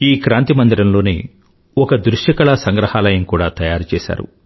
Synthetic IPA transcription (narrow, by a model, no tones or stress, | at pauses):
iːkɾaːnt̪imɐnd̪iɾɐmlo̞ːnḭ | ɔkɐd̪ɾuʂɐkɐɭɐsɐŋɡɾɐhaːlɐjɐmkuːɽaːt̪ɐjaːɾut͡ʃɛːsa̰ːɾṵ